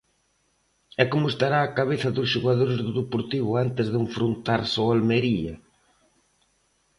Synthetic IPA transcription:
ɛkomʊest̪aɾaːkaβ̞eθɐðʊsʃuɣaðoɾezðʊðepoɾt̪iβ̞ʊant̪ɪzðuɱfɾunt̪aɾsoalmeɾiɐ̰

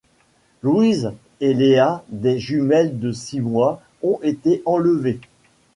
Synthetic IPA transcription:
lwiz | elead̪ɛʒymɛld̪əsimwa | ɔ̃ʔet̪eʔɑ̃ləve

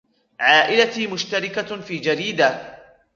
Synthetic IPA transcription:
ʕaːʔɪlatiːmʊʃt̪aɾɪkafiːd͡ʒaɾiːd̪a

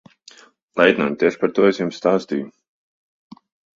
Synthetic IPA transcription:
lˠɛjd̪nant̪ʲiɛʃpaɾt̪uɔɛsjumst̪aːst̪ḭːju

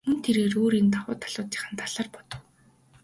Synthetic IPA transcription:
mɵnt̪ʰeɾeːroːɾiːnt̪ʰawʊːt̪ʰḁɮʊːt̪t͡ɕĭ̥χə̆nt̪ʰaɮaːrpɔ̥t̪ɞ̆w

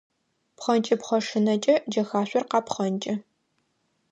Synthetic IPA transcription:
pχɐnt͡ʃʼɐpχɐʂɨnɐt͡ʃʼɐd͡ʒɐxaːɕʷʼɔrqɑːpχɐnt͡ʃʼɐ

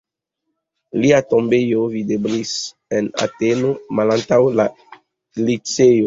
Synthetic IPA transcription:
liato̞mbe̞jo̞videblis | ena̰teno̞malantawla | lit͡seo

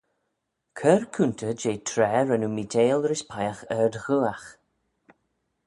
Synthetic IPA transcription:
kʰəɹkʰuntʰəd͡ʒeːtʰɾɛːɾənumitʰeːlɾɪspʰajaxɛdɣuːax

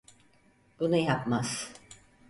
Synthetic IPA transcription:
b̥unujapmaz̥

